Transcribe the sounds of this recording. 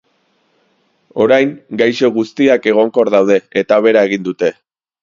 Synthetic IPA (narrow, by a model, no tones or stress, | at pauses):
o̞ɾajŋɡajʃo̞ɣ̞ust̪iake̞ɣ̞o̞ŋko̞ɾðawð̞e̞et̪aβ̞e̞ɾae̞ɣ̞ind̪ut̪e̞